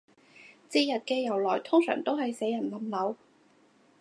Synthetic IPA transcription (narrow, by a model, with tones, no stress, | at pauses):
t͡siː˧jɐ˨t̚kɛː˧jɐ˨˩wlɔː˨˩jt̪ʰʊ˥ŋsœ̰ː˨˩ŋt̪o˥whɐ˨jse˨˥jɐ˨˩nlɐ˨˩mlɐ˨˧˥w